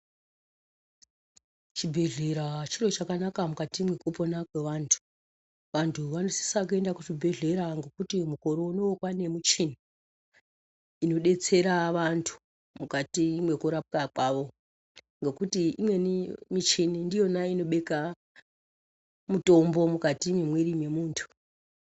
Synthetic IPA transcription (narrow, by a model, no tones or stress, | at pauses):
t͡ʃibʱeɮeɾat͡ʃiro̞t͡ʃakanakamukatimwe̞koponakwe̞ʋantʰu̥ | ʋantʰuʋanosi̥sak̬ue̞ndakut͡ʃibʱe̞ɮe̞ɾaŋɡekutimuko̞ɾo̞unookwane̞mut͡ʃini | ino̞ɗe̞t͡se̞ɾaʋantʰu̥ | mukatimwe̞kuɾap̚kakwaʋo̞ | ŋɡe̞kutiimwe̞nimit͡ʃinindijo̞naino̞ɓe̞ka | muto̞mbo̞mukatimimwerimwe̞muːntʰu̥